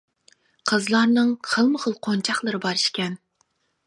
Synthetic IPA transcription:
qʰəzlˠɑɾnɨŋχʰəlˠməχəlˠqʰont͡ʃʰɑχlˠəɾɨbɑɾiʃkʲɛn

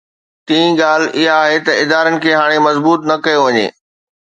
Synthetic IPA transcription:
t̪ĩːĩɡaːl̤ɪɦaːɦet̪ɐɪd̪aːɾənɪ̆kʰeːɦaːɽ̃emɐzbuːt̪nɐkɐjoʋɐɲḛː

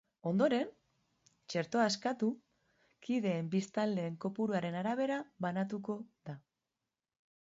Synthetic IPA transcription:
o̞nd̪o̞ɾe̞n | t͡ʃe̞ɾt̪o̞aeskat̪u | kiðe̞ːmbist̪ald̪e̞ːŋko̞puɾuaɾe̞naɾaβ̞e̞ɾaβanat̪uko̞ða

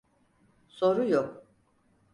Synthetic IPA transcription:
soɾujok

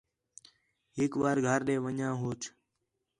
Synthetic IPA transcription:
ɦɪkʋaːɾɡʱaːɾɗẽːʋəɲãːɦoːt͡ʃʰ

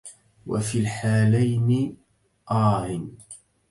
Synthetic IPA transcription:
wa̰fiːlħaːlajnɪ | ʔɑːhɪn

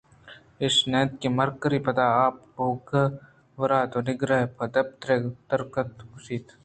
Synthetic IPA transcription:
ɪʃnɛːt̪kimɐɾkɾipɐd̪aːaːp̚ː | oːɡɐ | ʋɐɾaːt̪onɪɡɾɐɦpɐd̪ɐp̚t̪ɾeːt̪ɐɾkət̪ʊsiːt̪

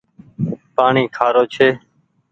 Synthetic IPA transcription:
paːɳiːkʰaːɾoːt͡ʃʰeː

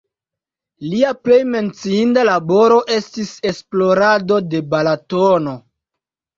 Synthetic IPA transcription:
liaple̞jme̞nt͡siindalabo̞ɾo̞ʔe̞stise̞splo̞ɾado̞de̞balatono̞

